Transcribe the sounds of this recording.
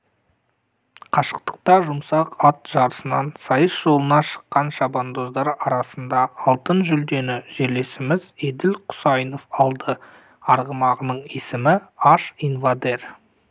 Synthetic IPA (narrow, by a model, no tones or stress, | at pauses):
qʰɑʃə̥q̚t̪ə̥q̚t̪ɑʒʊmsɑqɑt̪ʒ̥ɑɾəsənɑnsɑjəsʒo̞lˠənɑʃə̥qːɑnʃɑbɑnd̪o̞zd̪ɑɾɑɾɑsənd̪ɑɑlˠt̪ənʒʏld̪e̞nɪʒe̞ɾle̞sɪmɪzed̪ɪlqʰʊ̥sɑjno̞fɑlˠd̪ə | ɑɾʁəmɑʁənəɴesɪmɪɑʃinvad̪e̞ɾ